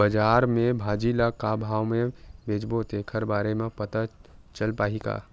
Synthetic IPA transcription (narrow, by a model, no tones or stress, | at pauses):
bəd͡ʒaːɾmẽbʱaːd͡ʒilakabʱaːwmẽbʱeːd͡ʒbot̪ekʰəɾbaːɾemẽpət̪at͡ʃəlpaːɦika̰ː